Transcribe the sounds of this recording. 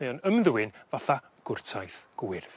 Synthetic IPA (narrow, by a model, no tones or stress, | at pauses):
ejɔnəmðɨwɪnvaθa | ɡ̥ʊrtʰajθɡ̥wɪrð